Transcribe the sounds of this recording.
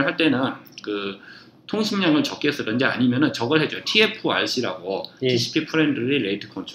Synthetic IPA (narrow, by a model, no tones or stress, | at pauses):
ɭɦaɭt͈e̞nɯnkɯ | tʰoŋɕʰimɲaŋɯɭt͡ɕʌk͈es͈ɯɾɯnd͡ʑea̰ɲimjʌnɯnt͡ɕʌɡɯɭɦe̞d͡ʑotʰie̞pʰɯa̰ɭɕ͈iɾa̰ɡotisʰi̥pʰipʰɯɾe̞ndɯɾiɾeitʰɯ̥kʰʌnt͡ɕʰ